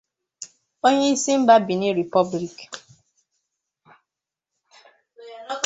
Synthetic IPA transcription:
o˦ɲe˦i˦si˦m̩˦ba˦bi˨ni˦ɾi˨pɔ˦bli˨k

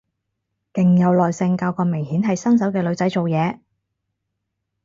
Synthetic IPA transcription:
kɪ˨ŋjɐ˨˧wlɔː˨jsɪ˧ŋkaː˧wkɔː˧mɪ˨˩ŋhiː˨˥nɦɐ˨jsɐ˥ŋs̬ɐ˨˥wkɛː˧lɵ˨˧ɥt͡sɐ˨˥jt͡so˨wjɛː˨˧

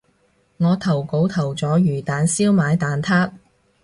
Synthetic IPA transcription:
ŋɔː˨˧t̪ʰɐ˨˩wko˨˧˥wt̪ʰɐ˨˩wt͡sɔː˨˥jyː˨˩t̪aː˨˧nsiː˥wmaː˨˧jt̪aː˨˧nt̪ʰaː˥t̚

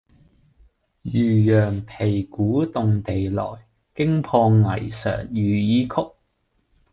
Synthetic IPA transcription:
jyː˨˩jœː˨˩ŋpʰe˨˩jkuː˨˥t̪ʊ˨ŋt̪e˨jlɔ̰ː˨˩j | kɪ˥ŋpʰɔː˧ŋɐ˨˩jsœ̰ː˨˩ŋjyː˨jiː˨˧kʰʊ˥k̚

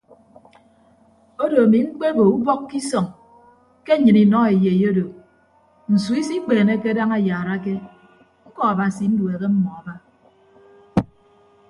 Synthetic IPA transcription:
o˦do˨a˨mi˨ŋ͡m̩˦k͡pe˦bo˨u˦bɔ˦kkːi˦sɔ˨ŋ | ke˦ɲɨ˨ni˨nɔ˦e˨je˨jo˦do˨ | n̩˨su˨˦i˦si˦k͡peː˨ne˦ke˦da˦ŋa˨jaː˨ɾa˦ke˦ | ŋ̩˦kɔ˦a˨ba˨si˨n̩˦du˨e˨ke˦m̩˦mɔ˨a˨ba˦

